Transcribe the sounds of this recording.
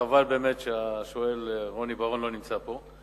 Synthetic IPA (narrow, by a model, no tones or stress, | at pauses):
avalbe̞ːmetʃeaʃoe̞lʁo̞nibaʁonlo̞nimt͡sapo̞